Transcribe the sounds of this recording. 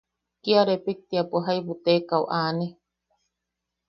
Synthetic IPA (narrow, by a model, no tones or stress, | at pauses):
kiaɾepik̚t̪iapuɦajbut̪ekauʔaːni